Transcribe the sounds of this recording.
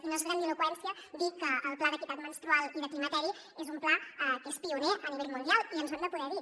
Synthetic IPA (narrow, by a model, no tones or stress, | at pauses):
finozɣɾanilukwɛnsjiəd̪ikːəːlˠplaðəkit̪at̪mənst̪ɾualˠiðək̪imət̪ɛɾi | ezumplaɛkespiuneəniβɛlmund̪jalˠiənzβand̪əpuðɛði